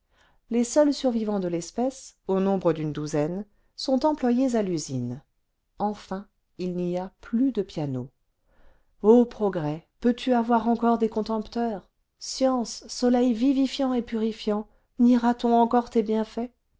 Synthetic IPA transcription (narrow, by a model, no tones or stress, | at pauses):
lesœlsyʁvivɑ̃d̪əlɛspɛsonɔ̃bʁəd̪ynd̪uzɛnː | ɔ̃t̪ɑ̃plwajezalyzin | ɑ̃fɛ̃ | ilniaplyd̪əpjano | opχɔɡʁɛpøt̪ʰyavwaʁɑ̃kɔʁd̪ekɔ̃t̪ɑ̃pt̪œʁ | sjɑ̃sːɔlɛjvivifjɑ̃epyʁifjɑ̃ | niʁat̪ɔ̃ɑ̃kɔʁt̪ebjɛ̃fɛ